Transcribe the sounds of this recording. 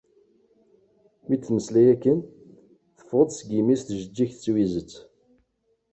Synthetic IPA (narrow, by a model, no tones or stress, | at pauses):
wit͡s̪ːməslæjækːən | θə̥fʁəd̪ˤsɡimisθʒəd͡ʒːiçθət͡sːwizət͡sː